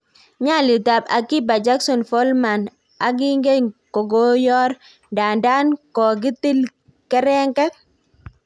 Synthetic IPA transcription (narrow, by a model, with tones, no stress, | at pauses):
ɲa˦˨lɪ˨ta˨ba̰˨ki˦ba˨d͡ʒa˦ksɔ˨nfɔ˦lma˨n | a˨ɡɪ˦ŋɡe˦ŋko˨ɡo˦jɔ˦ɾ | nda˨nda˦nkɔ˨ɡ̬ɪ˦ti˦l | kɛ˦ɾɛ˦ŋkɛ˦k̚